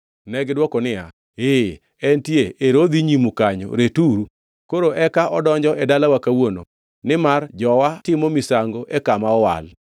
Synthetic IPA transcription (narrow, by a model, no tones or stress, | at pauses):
nɛɡdwɔkɔnɪja | e | ɛntjeʔeɾod̪iɲimukaɲɔ̰ɾetuɾu | koɾoʔɛkaʔɔdɔɲd͡ʒɔʔɛdalawakawono̰ | nɪmard͡ʒɔwatɪmomɪsaŋɡoʔɛkamaɔwa̰l